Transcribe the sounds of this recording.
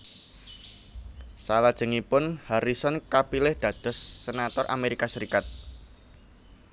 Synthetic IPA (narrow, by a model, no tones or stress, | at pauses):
salad̥ʒ̥ə̤ŋipʊnhaɾisɔnkapilɪhd̪̥ä̤d̪̥ɔ̤sːenat̪ɔrʔa̰meɾikasəɾikat̪̚